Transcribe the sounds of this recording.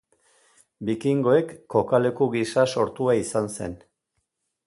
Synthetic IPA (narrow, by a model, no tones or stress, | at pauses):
bikiŋɡo̞e̞kːo̞kale̞kuɣisaso̞ɾt̪uaisanse̞̰n